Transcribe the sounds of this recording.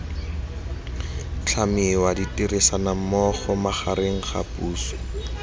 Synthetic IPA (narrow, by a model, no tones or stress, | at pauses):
t͡ɬʰamɪwaditiresanamɔχɔmaχaɾeŋ̩χa̰pʼuːsɔ̥